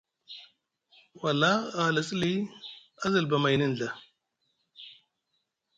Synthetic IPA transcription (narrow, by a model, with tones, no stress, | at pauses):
wa˨lːa˦a˨lə˨sli˦a˦zə˨lba˨ma˨jnə˦n˨ɮa˨